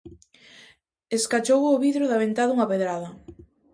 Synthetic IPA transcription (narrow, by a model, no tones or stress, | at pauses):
eskat͡ʃowoβiðɾʊðɐβent̪aðuŋɐpeðɾaðɐ